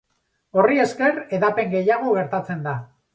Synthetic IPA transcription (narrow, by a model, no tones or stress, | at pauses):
orie̞ske̞re̞ðape̞ŋɡe̞jaɣ̞o̞ɣ̞e̞ɾt̪at͡se̞nd̪a